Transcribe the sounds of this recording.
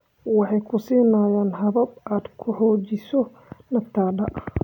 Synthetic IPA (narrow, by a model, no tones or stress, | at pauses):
wɑħɑjkʰʊsiːnaːjaːnɦɐβɐbaːd̪kʰʊħɔːt͡ʃɪsɔ | nɐft̪ʰaːɖɐʔɐ